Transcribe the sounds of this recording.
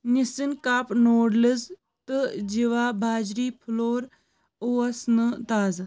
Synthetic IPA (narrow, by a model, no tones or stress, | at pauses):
nisinkaːpnoːɽləz | t̪ɨd͡ʒiʋaːbʱaːd͡ʒɾiːpʰloːɾ | oːɐsnɨt̪aːz